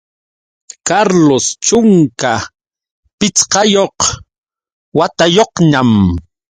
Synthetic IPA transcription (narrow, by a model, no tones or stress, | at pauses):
kaɾlost͡ʃʊŋka | pɪt͡sqɑjoq | wat̪ajoqɲam